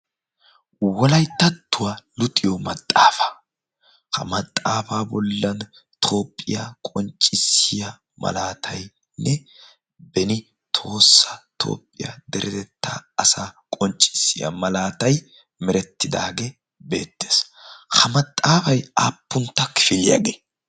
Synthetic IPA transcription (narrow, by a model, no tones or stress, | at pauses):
wɔlɐjt̪ːɐt̪ːʊwalʊt̪ʼɪjɔmɐt̪ʼːaːfɐ̥ | kɐ̰mɐt̪ʼːaːfaːbɔlːɐn | t̪ʰo̞ːpʼːɪjakʼɔnt͡ʃʼːɪsːɪja | mɐ̰laːt̪ʰɐj | nʔɛ | bɛnɪ | t̪ʰo̞ːsːɐt̪ʰo̞̰ːpʼːɪja̰d̪ɛɾʔɛt̪ɛt̪ːa̰ɐsaːkʼɔnt͡ʃʼːɪ̥sːɪjɐ̰mɐlaːt̪ɐj | mɛɾɛt̪ːɪd̪aːɡe | be̞̰ːt̪ːeːshɐmɐt̪ʼːaːfɐjaːpːʊnt̪ːɐkɪ̥fɪlɪja̰ɡeː